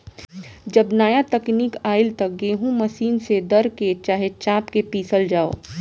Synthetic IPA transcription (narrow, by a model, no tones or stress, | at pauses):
d͡ʒɐbnaːjat̪ɐkniːkaːɪlt̪ɐk̚ɡeːɦũmɐʃiːnsed̪ɐɾket͡ʃaːɦet͡ʃaːpkepiːsəld͡ʒaːo̰ː